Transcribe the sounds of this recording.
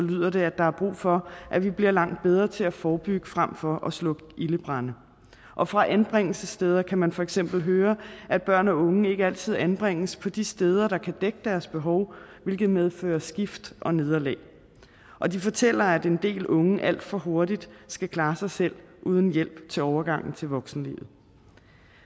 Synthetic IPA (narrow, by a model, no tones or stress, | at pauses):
lyð̰ˠɐɾ̥e̝æ̥ɑ̈æɐb̥ʁṵːfɒ̽ʔæʋib̥liɐlɑ̈ŋ̰d̥̚b̥eð̞ˠʁɐt͡sʰe̝læfɒːb̥yɡ̥əfʁam̰fɒ̽ʔɒ̽slɔ̽ɡ̥ʔiləb̥ʁɑ̈nə | ʔɒ̽fʁɑ̈ʔænb̥ʁeŋ̰l̩səsd̥eːð̞ˠɐkʰæmænfɒ̽eɡ̥sem̰b̥l̩ɦøːɐʔæ̥b̥ɶɐ̰nɒ̽ɔ̽ŋəe̝ɡ̥əæl̰t͡sʰið̞̰ˠænb̥ʁeŋ̰əspʰɒ̽d̥isd̥eːð̞ˠɐɾɑ̈kʰæd̥eɡ̥əd̥æɐsb̥e̝ɦɒ̽ʊʋe̝lɡ̥ð̩ˠmeðˠføːɐsɡ̥ifd̥ʔɒ̽ne̝ð̞ˠɐlɛ̰ː | ʔɒ̽d̥ifɒ̽t͡sʰel̰ɐæd̥e̝nd̥e̝̰ːlɔ̽ŋəʔæl̰d̥fɒ̽ɦo̝ɐdid̥sɡ̥ækʰlɑ̈ːsɑ̈ɪsel̰ | ʔuːð̞ˠn̩jel̰b̥t͡sʰe̝ɒʊɐɡ̥ɑ̈ŋ̰n̩t͡sʰe̝lʋɒ̽ɡ̥sn̩lḭːʋð̩ˠ